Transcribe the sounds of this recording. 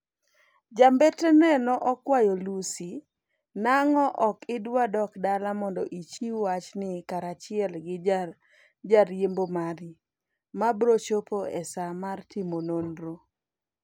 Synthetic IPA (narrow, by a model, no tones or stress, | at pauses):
d͡ʒambɛtɛnɛnɔʔɔkwajolusi | naŋɔʔɔkɪdwadɔkdalamɔndɔʔit͡ʃiwat͡ʃnɪkaɾat͡ʃɪɛlɡɪ | d͡ʒaɾjembomaɾi | mabɾot͡ʃopoɛsamartimononɾo